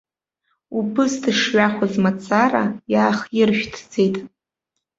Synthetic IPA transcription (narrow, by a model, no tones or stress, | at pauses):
upʰɨsdɨʂɥaχʷazmat͡sʰʼara̰jaːχjɪrʃᶣtʰd͡ze̞jtʼ